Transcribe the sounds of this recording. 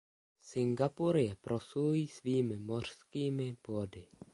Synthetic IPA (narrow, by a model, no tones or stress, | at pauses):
sɪŋɡapuɾɪjɛpɾosuujiːsviːmɪmo̞r̝̥skiːmɪb̥odɪ